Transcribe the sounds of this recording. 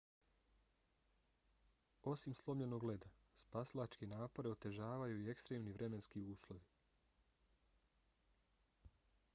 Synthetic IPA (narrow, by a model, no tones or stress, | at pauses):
o̞simslˠo̞mʎeno̞ɡle̞d̪aspaslˠat͡ʃkenaːpo̞ɾe̞o̞t̪e̞ʒaːʋajuie̞kst̪ɾeːmniʋɾʔe̞me̞nskiuːslˠo̞ʋi